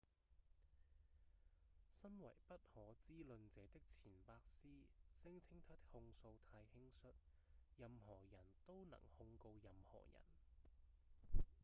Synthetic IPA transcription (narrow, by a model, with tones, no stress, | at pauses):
sɐ˥nwɐ̰˨˩jpɐ˥t̚hɔː˨˥t͡siː˥lɵ˧nt͡sɛː˨˦t̪ɪ˥k̚t͡sʰiː˨˩npaː˧k̚siː˥sɪ˥ŋt͡sʰɪ˥ŋt̪ʰaː˥t̪ɪ˥k̚hʊ˧ŋso˧wt̪ʰaː˧jhɪ˥ŋsɵ˥t̚ | jɐ˧mhɔː˨˩jɐ˨˩nt̪o˥wnɐ̰˨˩ŋhʊ˧ŋko˧wjɐ˧mhɔ̰ː˨˩jɐ̰˨˩n